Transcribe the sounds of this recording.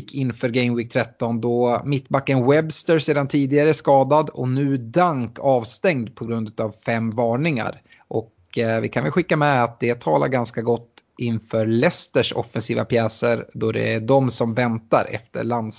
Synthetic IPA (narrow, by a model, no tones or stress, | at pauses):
kʰːɪnfœːɾɡɛɪmwɪt̪ʰɾɛt̪ːɔnd̪ɔmɪt̪ːbakːənwɛbst̪əɾseːd̪ant̪ʰiːd̪ɪɡaɾəæskɑːd̪ad̪ɔ̰nʉ̟ːd̪aŋkʰɑːvst̪ɛŋd̪pʰɔɡɾɵnd̪ʉ̟ːt̪avfɛmːvɑːɳɪŋa̰ɾ | ʔɔk | vɪ̰kʰanvɛlɧɪkːamɛat̪̚d̪ɛt̪ʰɑːlʔa̰ɾɡanskaɡɔt̪ːɪnfœːɾlɛst̪əʂɔ̰fɛnsiːvapʰjɛːsəɾd̪ɔd̪ɛ̰æɖɔmsɔmvɛnt̪a̰ɾʔɛ̰ft̪ə̰ɭand̪s